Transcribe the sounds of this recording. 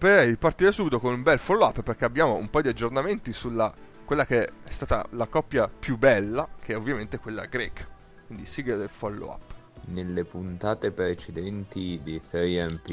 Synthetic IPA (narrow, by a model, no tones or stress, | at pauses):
peɾipart̪iːɾesuːbit̪okonumbɛlfɔlːoapːperk̟eabːjaːmoṵmpajod̪iad͡ʒːornament̪isulːa | kwelːakeɛst̪aːt̪a̰lakɔpːjapjubːɛlːakʰeɛovːjament̪ekwelːa̰ɡɾɛːkḁ | kwind̪isiɡed̪elfɔlːo̰a̰pː | nelːepunt̪aːt̪epɾet͡ʃed̪ɛnt̪id̪eθɛjɛmpi